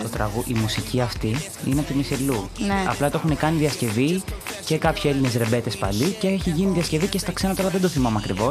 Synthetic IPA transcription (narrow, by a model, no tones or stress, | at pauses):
t̪ot̪ɾɐɣuʔimusiciɐft̪i | ḭneɐpt̪imiseluneɐ̰plɐt̪oe̞xune̞kɐniðiɐsce̞vice̞kɐpçoe̞line̞sɾe̞be̞t̪e̞spɐ̰liceçiʝiniðiɐsce̞vicest̪ɐkse̞nɐt̪ɐɐlɐðed̪oθimɐmeɐkɾivo̞s